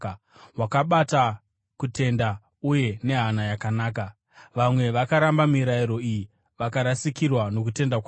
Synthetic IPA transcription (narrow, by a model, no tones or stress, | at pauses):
wakaɓata | kute̞nda | uje̞ne̞ɦanajakanaːka | ʋamwe̞ʋakaɾambamiɾaiɾo̞iji | ʋakaɾasikirwano̞k̬ute̞ndakwa